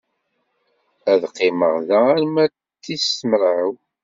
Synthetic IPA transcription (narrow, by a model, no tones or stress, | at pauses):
æðqːɪməʁðææɾmæ | t̪ːisəməɾʕəw